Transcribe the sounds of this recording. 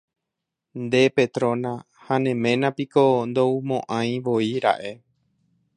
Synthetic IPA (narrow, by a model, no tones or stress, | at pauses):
nd̪e̞pe̞t̪ɾõnã | hanẽmẽ̞nãpikond̪oumõʔãj̃ʋoiɾa̰ʔe̞